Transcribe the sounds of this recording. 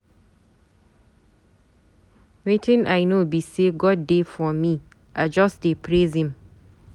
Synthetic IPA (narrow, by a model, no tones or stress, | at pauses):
wetʰɪ̃naɪnobiseɡɔd̚ːefɔmĩ | ʔad͡ʒɔsdepʰɾezĩm